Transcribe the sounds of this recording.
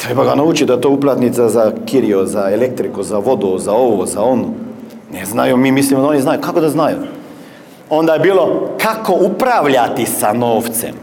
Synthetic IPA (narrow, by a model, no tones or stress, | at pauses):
t̪ɾebaɡanaut͡ʃid̪aet̪oːuplˠat̪nit̪sazakiɾiozaelek̚t̪ɾikuzaʋo̞d̪uzao̞ʋozao̞nu | neznajumiːmislimod̪aoniznajukakod̪aznaju | o̞nd̪ajebiːlo̞kakoupɾaʋʎat̪isanoːft̪sḛm